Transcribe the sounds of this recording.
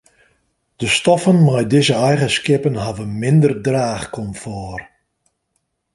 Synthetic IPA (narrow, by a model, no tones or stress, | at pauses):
d̥əstɔfənmajdɪzəɛjɣəskɪpənɦavənmɪndərdraːχkɔmfɔːr